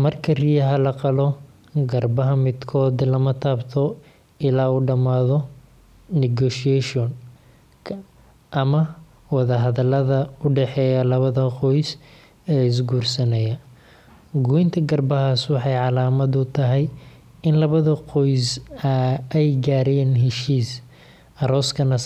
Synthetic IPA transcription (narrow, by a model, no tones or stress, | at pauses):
mɐrkʰɐrijɐɦɐlɐqɑlɔ | ɡɐrbɐɦɐmɪd̪kʰɔːd̪lɐmɐt̪ʰaːbt̪ʰɔ | ɪlaːuːɖɐmaːðɔ | nɪɡɔːʃɪɛʃɔn | ʔɐmɐ | wɑðɐɦɐðɐlɐðɐʊɖɛħɛːjɐlɐβɐðɐqɔjs | ɛːɪs̬ɡuːrsɐnɛjɐ | ɡujɪnt̪ʰɐɡɐrbɐɦaːswɑħɑjʕɑlaːmɐd̪ʊt̪ʰɐɦɛj | ɪnlɐβɐðɐqɔjsɐɛjɡaːɾɛːnɦɛʃiːs | ɐɾɔːskʰɐnɐ